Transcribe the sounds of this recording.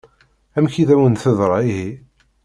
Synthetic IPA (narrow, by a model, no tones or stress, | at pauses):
æmçiðæwənθəðɾˤɑiɦi